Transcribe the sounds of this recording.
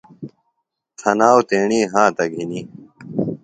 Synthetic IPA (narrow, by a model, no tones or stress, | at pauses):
t̪ʰɐnaːwt̪eːɳiːɦãːt̪ɐɡʱiniː